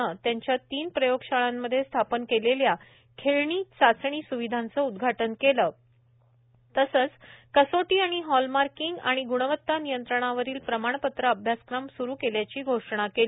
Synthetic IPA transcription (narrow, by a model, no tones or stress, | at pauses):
ət̪jaɲt͡ɕjat̪iːnpɾəjoɡɕaɭamːəd̪ʱːjest̪ʰapənkelelja | kʰeɭɳiːt͡sat͡sɳ̃iːsuʋid̪ʱant͡səud̪ɡʱaʈənkeləː | t̪əsəːt͡skəsoʈiːaɽ̃iɦɔlmaɾkiŋɡa̰ɽ̃iɡuɽ̃əʋət̪ːanijənt̪ɾəɳ̃aʋəɾiːlpɾəmaɳ̃pət̪ɾəəbʱjaskɾamsuɾuːkeljat͡ɕiːɡʱoʂɳ̃akel